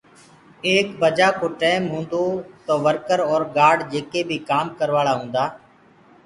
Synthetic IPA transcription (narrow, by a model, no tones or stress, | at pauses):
eːkbəd͡ʒaːkoːʈeːmɦũːnd̪oːt̪oːʋəɾkəɾɔːɾɡaːɖd͡ʒeːkeːbʱiːkaːmkəɾʋaːɭaːɦũːnd̪aː